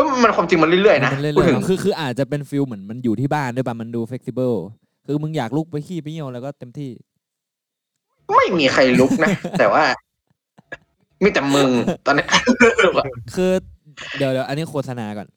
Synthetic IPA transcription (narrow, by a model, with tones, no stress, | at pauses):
ɯː˧˥˩ma˧nkʰwaː˧mt͡ɕi˧ŋma˧nli˥˩jlɯ˥˩əjna˦ma˧nlɯ˥˩˨jt̪ʰɯ˩˨˧kʰɯː˧kʰɯː˧ʔaː˨˩t̪̚t͡ɕa˨˩pe˧nfi˧wmɯ˩˦ənma˧njuː˨˩iː˥˩baː˥˩ndpa˦˩ma˧nduː˧fe˦˥t̪ʰi˧˩bɤː˥˩ | kʰɯː˧mɯ˧ŋjaː˨˩k̚lu˦˥˩k̚pa˧jkʰiː˥˩pi˧˩˨wlɛː˧˦˥wkɔː˥˩t̪e˧mt̪ʰiː˥˩ | ma˥˩jmiː˧xʰa˧jlu˦˥k̚na˦˥t̪ɛː˨˩waː˥˩ | miː˧˩t̪ɛː˨˩mɯ˧ŋt̪ɔː˧nːa˦˥˧ʔːlɔ˧˩kʰɯː˧ | di˨˦əwdiː˨˩ə˦wʔa˧nːiː˦˥˩kʰoː˧˩sʰa˧naː˧kɔ̰ː˨˩n